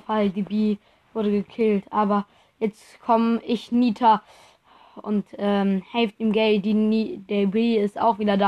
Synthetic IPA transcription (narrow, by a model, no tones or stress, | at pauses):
faldibiː | v̥ʊɐɾəɡəkʰɪltʔaːbɐ | jɛt͡stkʰɔmʔɪçniːtʰɐ | ʔʊ̰ntʔɛːmhɛlftiːmɡɛlt̚d̥inid̥eːɐbiːɪsta̰ʊxv̥iːdɐdaː